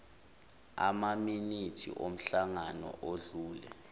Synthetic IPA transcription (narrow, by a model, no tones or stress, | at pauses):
a̰maminitʰḭʔom̩ɬaŋanɔ̰ʔoɮuːlɛ̰